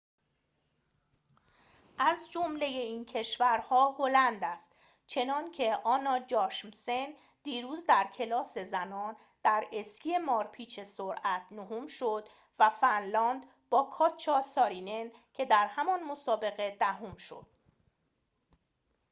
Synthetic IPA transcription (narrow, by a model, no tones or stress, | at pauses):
ʔæzd͡ʒomle̞je̞iːncʰe̞ʃvæɾhɒːho̞lænd̪æst̪ | t͡ʃʰe̞nɒːncʰe̞ʔɒːnɒːd͡ʒɒːʃmsen | d̪̥iːɾuːzd̪æɾcʰe̞lɒːse̞zænɒːn | d̪̥æɾe̞scie̞mɒːɾpʰiːt͡ʃʰe̞soɾʔæt̪ʰnohumʃod̪̥ | væfænlɒːnd̪ | bɒːkʰɒːt͡ʃʰɒːsɒːɾine̞ncʰe̞d̪æɾhæmɒnmosɒːbe̞ɣe̞d̪æɦomʃo̞̰d̪̥